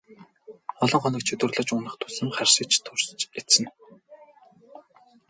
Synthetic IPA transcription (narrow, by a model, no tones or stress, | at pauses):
ɔɮɞ̆ɴχɔnɞ̆k̚t͡ɕʰɵt̪wɘ̆rɮə̆t͡ɕuːnə̆χt̪ʰʊ̥sɘ̆mχærʲʃə̆k̚t͡ɕt̪ʰʊrst͡ɕet̪sɘ̆n